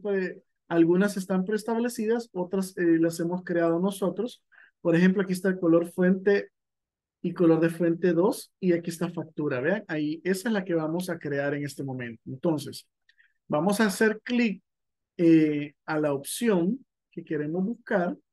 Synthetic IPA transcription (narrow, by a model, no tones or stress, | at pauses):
pɾe | alɣunase̞st̪ampɾe̞st̪aβle̞siðaso̞t̪ɾaselase̞mo̞skɾe̞að̞o̞no̞so̞t̪ɾo̞s | po̞ɾexe̞mp̬loakies̬t̪aelko̞lo̞ɾfwe̞nt̪e̞ | iko̞lo̞ɾðe̞fwe̞nt̪e̞ðo̞siakiest̪afak̚t̪uɾaβe̞aŋaie̞saezlake̞βamo̞sakɾe̞aɾeŋe̞st̪e̞mõ̞mẽ̞nt̪oent̪o̞nse̞s | bamo̞saːse̞ɾklik̚ | ealaopsjo̞ŋ | ke̞ke̞ɾe̞mo̞zβuskaɾ